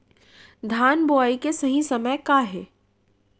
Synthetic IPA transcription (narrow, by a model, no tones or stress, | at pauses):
d̪ʱaːnboaːikesɐɦĩsɐməjkaːɦɛː